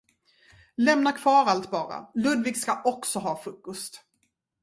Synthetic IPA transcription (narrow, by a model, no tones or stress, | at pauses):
lɛmnakʰvɑːɾalt̪bɑːɾa̰lɵd̪vɪːɡskaʔɔksɔɦɑːfɵkːɵst̪